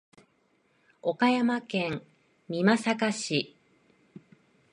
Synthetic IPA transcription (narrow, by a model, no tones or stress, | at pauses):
o̞kajamakẽ̞ŋ | mʲimasakaɕi